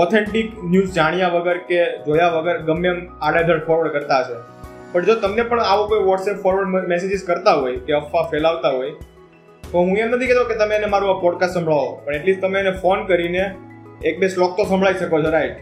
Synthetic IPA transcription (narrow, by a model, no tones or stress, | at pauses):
ɔt̪ʰeɳʈiknjuzd͡ʒaɽ̃ijaʋəɡəɾked͡ʒojaʋəɡəɾɡəmːemaɽed̪ʱəɽfʰɔɾʋəɾɖkəɾt̪aɦəʃe | pəɳd͡ʒot̪əmnepəɳaʋokojʋɔʈsepfɔɾʋəɾɖmesed͡ʒizkəɾt̪aɦojkeəfːafɛlaʋt̪aɦoj | t̪oɦũemnət̪ʰiket̪õket̪əmenemaɾũapɔɖkasʈsə̃mbʱɭaʋopəɳeʈlist̪əmeːnefonkəɾineːk̚beslɔk̚t̪osə̃mbɭaiʃəkot͡ʃʰoɾaiʈ